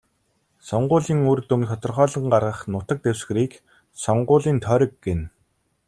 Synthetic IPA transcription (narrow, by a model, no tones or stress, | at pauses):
sɔɴɢʊːɮiːŋurt̪ɵmt̪ʰɔt̪ɞ̆rχœːɮə̆ŋɢarʁə̆χnʊt̪ə̆k̚t̪ewsɡ̆ɾiːk | sɔɴɢʊːɮiːnt̪ʰœɾʲə̆kːen